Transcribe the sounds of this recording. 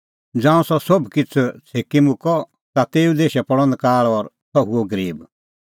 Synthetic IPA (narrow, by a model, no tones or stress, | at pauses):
d͡zãːũsɔsobkɪt͡sʰut͡sʰeːkimʊkɔ | t̪at̪eːũd̪eːʃɛpɔɽ̃ə̃nd̪̚kaːɭɔːɾ | sɔɦuoɡəɾiːb